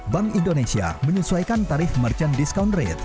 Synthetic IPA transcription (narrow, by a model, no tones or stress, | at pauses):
baŋindonesia̰məɲəsuajkant̪aɾɪfmərt͡ʃəndiskawndrḛt̪̚